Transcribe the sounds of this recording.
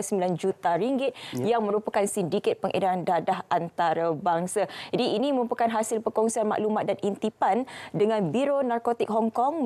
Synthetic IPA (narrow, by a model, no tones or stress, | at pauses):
səmbiland͡ʒut̪aɾiŋɡɪt̪̚jaŋmə̃ɾupakansindikɛt̪̚pəŋʔḛdaɾandadaɦʔant̪aɾabaŋsad͡ʒadiinĩməɾupakanɦasɪlpəkɔŋsianma̰ʔlumãt̪̚danint̪ipandəŋãnbiɾonarkot̪ik̚ɦɔŋkɔŋm